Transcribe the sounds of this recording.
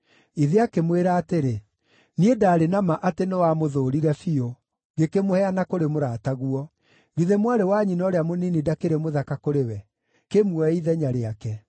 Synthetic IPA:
iðeakemweɾaːteɾe | niedaːɾenamaʔatenewamoðoːɾiɾɛfio | ɡekemohɛanakoɾemoɾataɣuɔ | ɡiðemwaɾewaɲinɔɾeamoninidakeɾɛmoðakakoɾewɛ | kemuɔiðɛɲaɾeakɛ

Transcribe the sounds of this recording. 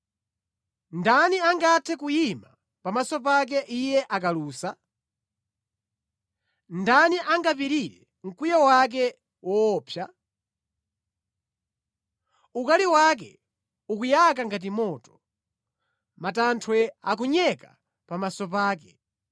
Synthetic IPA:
ndaniaŋɡatʰɛkujima | pamasɔp̬ak̬ɛʔijɛʔakaluːsa | ndaniʔaŋɡapiɾiɾɛ | ŋ̩kujɔwak̬ɛ | wɔːpʰja | ukaliwak̬ɛ | ukujak̬aŋɡat̬imɔːtɔ̥ | matantʰwɛa̰k̬uɲɛka | pamasɔpaːkɛ

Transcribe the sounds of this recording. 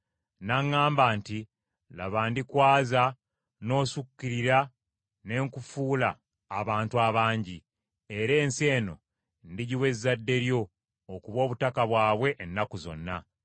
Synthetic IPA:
naŋːaːmbaːnti | la̰βaːndikwaːza | no̞ːsukːiɾiɾa | ne̞ŋkufuːlaː | βaːntuaβaːɲɟi | e̞ɾe̞ːnse̞ːno̞̰ | ndiɟiwe̞zːadːe̞ɾjo̞ː | kuβo̞ːβutakaβwaːβwe̞ʔːnːakuzo̞̰nːa

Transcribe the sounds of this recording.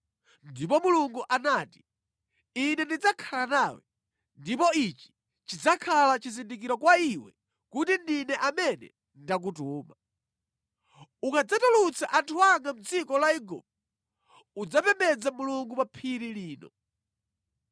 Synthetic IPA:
ndipɔmuluŋɡuʔanaːti̥ | inɛndid͡zakʰalanaːwɛ | ndipɔit͡ʃi̥ | t͡ʃid͡zakʰalat͡ʃizindik̬iɾɔkwaiwɛ̰ | kutindinɛʔamɛnɛ̰ | ndak̬utuːma | ukad͡zatɔlut͡sʰaʔantʰuaŋɡam̩d͡zikɔlaiɡṵp̚ | ud͡zapɛmbɛd͡zamuluŋɡupapʰiɾiliːnɔ̰

